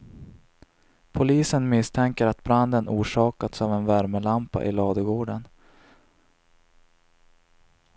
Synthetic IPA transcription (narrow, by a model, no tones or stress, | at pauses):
pʰʊliːsənmɪst̪ʰɛŋkəɾat̪bɾand̪ənuːʂɑːkat̪sɑːvɛnvæɾməlampa̰ʔɪlɑːd̪əɡoːɖən